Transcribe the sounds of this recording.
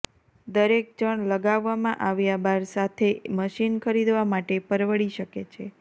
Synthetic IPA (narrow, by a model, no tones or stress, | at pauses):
d̪əɾek̚d͡ʒəɳ̃ləɡaʋːamãʔaʋjabaɾsat̪ʰeməʃinkʰəɾid̪ʋamaʈepəɾʋəɭiʃəket͡ʃʰe